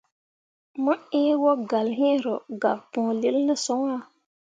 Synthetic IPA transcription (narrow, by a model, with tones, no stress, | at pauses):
mə˦e˦wo˦ɡa˨lɦĩ˦ɾo˨ɡa˨pɔ̃˨li˦lnə˦so˦ŋ˦a˦˨